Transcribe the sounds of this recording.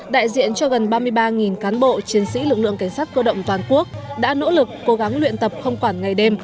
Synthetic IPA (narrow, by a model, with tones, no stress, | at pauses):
ɗa̰ː˧˨jzḭ˧˨ənt͡ɕɔ˧ɣə˨˩nɓaː˧mɨ˧əjɓaː˧ŋi˨˩nkaː˨˦nɓo̰˧˨t͡ɕi˨˦ənsḭ˧˥lɨ˨˩k̚lɨ̰˧˨əŋka˧˩jŋ̟saː˦˥t̚kəː˧ɗə̰˧˨wŋ͡mt̪waː˨˩nku˦˥ək̚ɗa̰ː˧˥no̰˧˥lɨ˨˩kːo˨˦ɣa˨˦ŋlwḭ˧˨ənt̪ə˨˩p̚xə˧wŋ͡mkwaː˧˩nŋa˨˩jɗe˧m